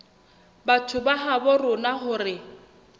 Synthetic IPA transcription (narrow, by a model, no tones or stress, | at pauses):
batʰʊbaɦabɔrʊnaχʊrɪ